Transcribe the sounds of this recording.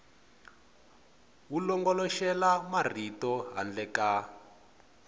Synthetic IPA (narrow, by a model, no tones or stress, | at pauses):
wulɔŋɡɔlɔʃɛlamar̤itɔɦa̰nd͡ɮɛka